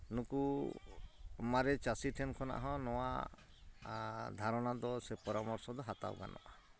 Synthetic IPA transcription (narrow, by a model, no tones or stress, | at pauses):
nuku | maɾɛt͡ʃasiʈʰɛnkʰɔna̰ʔɦɔ̃nɔwa̰ | d̪ʱaɾɔnad̪ɔsɛpɔɾamɔɾsɔd̪ɔɦat̪a̰wɡa̰nʔɔ̰ʔa